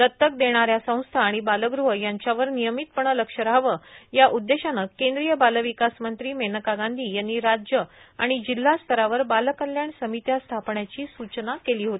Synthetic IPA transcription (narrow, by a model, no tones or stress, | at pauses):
lət̪ːək̚d̪eɽ̃aɾjasə̃w̃st̪ʰaːɽ̃ibaləɡɾuɦəjaɲt͡ɕjaʋəɾnijəmit̪̚pəɳələkʂəɾaʋəjaʔud̪ːeɕanakẽnd̪ɾijəbaləʋikasmənt̪ɾiːmenəkaɡand̪ʱiːjanːiːɾad͡ʑjəa̰ɽ̃id͡ʑil̤ːast̪ʰəɾaʋəɾbaləkəlːjaɳsəmit̪jast̪ʰapɳjat͡ɕiːsut͡ɕnakeliːɦot̪i